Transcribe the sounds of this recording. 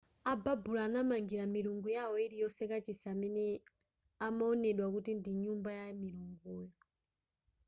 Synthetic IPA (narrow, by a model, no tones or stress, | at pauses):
ababulaːnamaŋɡiɾamiɾuŋɡujawɔiɾijɔsɛkat͡ʃisaːmɛnɛ | amaɔnɛɗwakutindiɲumbajamiɾuŋɡuːjɔ